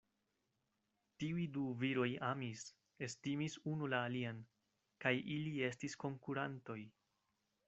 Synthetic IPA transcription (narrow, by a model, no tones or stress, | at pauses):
tiujduviɾo̞jamis | e̞stimisunulaːlian | kajʔilie̞stisko̞ŋkuɾanto̞j